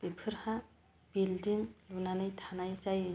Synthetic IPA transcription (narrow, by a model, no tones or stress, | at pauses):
b̥ipʰɯɾhã | b̥ildiŋlunanɯjtʰanajt͡ʃajɯ